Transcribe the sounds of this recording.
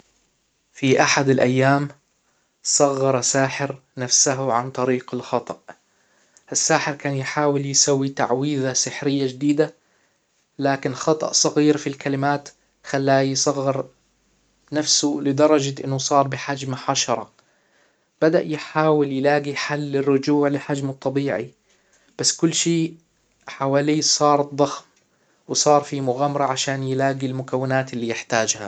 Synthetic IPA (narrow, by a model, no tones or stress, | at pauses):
fiʔaħad̪alʔajːaːm | sˤɑɣːɑɾˤsaːħɪɾ | nafsaɦʊʕant̪ˤɑɾiːqɪlxɑt̪ˤɑʔ | ʔasːaːħɪɾkaːnjħaːwɪljsawːit̪a̰ʕwiːðasɪħɾɪjːad͡ʒd̪iːd̪a | laːkɪnxɑt̪ˤɑ̰ʔsˤɑɣiːɾfilkalɪmaːt̪ | xalːaːjsˤɑɣːɪɾ | nafsʊlɪd̪ɑɾˤɑd͡ʒaʔɪnːʊsˤɑːɾˤbɪħad͡ʒmaħaʃɑɾˤɑ̰ | b̥ad̪aʔjħaːwɪljɪlaːɡiħalːɪrːʊd͡ʒuːʕlɪħad͡ʒmt̪ˤːɑbiːʕḭ | b̥asːkʊlːʃiː | ħawaːliːsˤɑːɾˤt̪ðˤɑxm | wɪsˤɑːɾˤfimʊɣamɾˤɑʕaʃaːnjɪlaːɡilmʊkawːɪnaːt̪ɪlːiːjɪħt̪aːd͡ʒha̰